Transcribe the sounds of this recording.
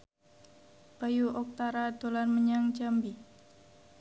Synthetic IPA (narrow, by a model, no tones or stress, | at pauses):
b̥ajuʔɔk̚t̪aɾad̪̥olarməɲaŋd͡ʒambi